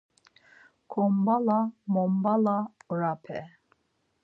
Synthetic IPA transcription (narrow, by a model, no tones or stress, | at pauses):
kʰɔmbalamɔmbalaɾapʰɛ